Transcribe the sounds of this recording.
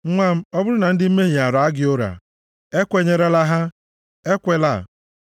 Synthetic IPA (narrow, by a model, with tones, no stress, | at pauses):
ŋ̩˦ŋʷa˦m̩˦ɔ˦bʊ˦ɾʊ˦na˨n̩˦dɪ˦m̩˦me˦ɦi˨a˨ɾa˨a˦ɡɪ˦o˦ɾa̰˨ | e˦kʷe˦ɲe˦ɾa˦la˦ɦa˦ | e˦kʷe˦la˦˨